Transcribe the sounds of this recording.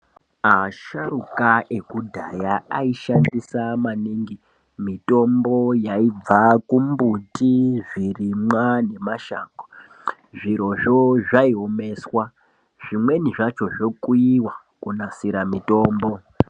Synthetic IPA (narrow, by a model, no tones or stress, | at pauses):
aʃarukaʔe̞kudʱajaaiʃandisamaniːŋɡi | mito̞mbo̞jaib͡vakumbutiʐirimwane̞maʃa̰ːko̥ | ʐiɾo̞ʐoʐaiome̞swa | ʐ̥imwe̞niʐat͡ʃo̞ʐokuiwa | kunasiɾamito̞ːmbo̞